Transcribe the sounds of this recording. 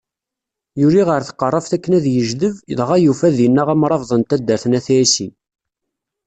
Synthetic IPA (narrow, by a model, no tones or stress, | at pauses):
jʊɾiʁəɾθə̥qːərˤːəfθækːənæðjəʒðəvəðˤʁæjufæðinːæʁæmɾˤɑvðˤənt̪æd̪ːəɾθnæθsi